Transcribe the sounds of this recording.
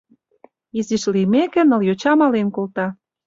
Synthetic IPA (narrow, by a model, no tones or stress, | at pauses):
iziʃlimekĕnə̆ljot͡ɕɑmɑlenkolt̪ɑ